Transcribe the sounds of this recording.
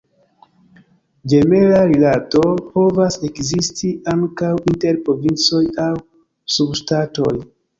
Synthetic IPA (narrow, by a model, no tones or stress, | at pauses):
d͡ʒe̞me̞ɾaɾilatopo̞vase̞kzistʰiʔaŋkawinte̞ɾpɾo̞vint͡so̞jaw | subʃtato̞j